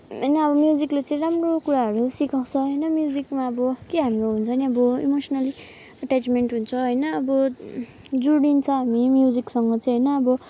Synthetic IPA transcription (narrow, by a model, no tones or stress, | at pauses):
ɦʌjnʌːbʌmjud͡ziklet͡sʌ̃ĩɾamrokuɾaɦʌɾusikaw̃t͡sʰʌɦʌjnʌmjud͡zikmaʌbʌkeɦamiɾoɦunt͡sʰʌniʌbʌḭmosʌnʌli | ʌʈat͡smeɳʈɦunt͡sʰʌɦʌjnʌːbʌ | d͡zuɽint͡sʰʌɦamimjud͡ziksʌŋɡʌt͡sʌĩɦʌjnʌːbʌ